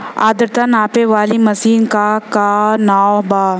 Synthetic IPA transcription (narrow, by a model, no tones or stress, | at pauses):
a̰ːd̪əɾt̪anaːpeʋaːlimɐsiːnkakanaːobaː